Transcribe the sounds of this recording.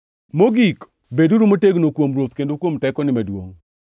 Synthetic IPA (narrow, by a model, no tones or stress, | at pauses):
moɡik | beduɾumoteɡnokwomɾot̪kendokwomtɛkɔnɪmɛdwo̰ŋ